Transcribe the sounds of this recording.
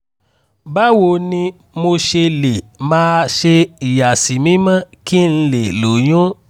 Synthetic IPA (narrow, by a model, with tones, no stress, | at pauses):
ba˦wo˨nĩ˧ | mo˧ʃe˧le˨mãː˦ʃe˧i˨ja˨si˨mĩ˦mã˦˨ki˦n̩˧le˨lo˨j̃ũ˦